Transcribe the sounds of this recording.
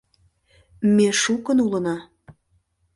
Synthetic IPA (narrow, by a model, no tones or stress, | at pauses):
meʃukə̆nulə̆nɑ